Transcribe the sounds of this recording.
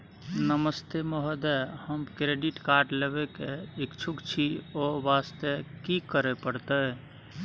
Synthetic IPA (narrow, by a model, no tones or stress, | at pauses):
nəməst̪emɔɦəd̪ɛhəmkɾeɖiʈkaɾɖleβekeekt͡ʃʰukt͡ʃʰiobast̪ekikəɾepəɽt̪ə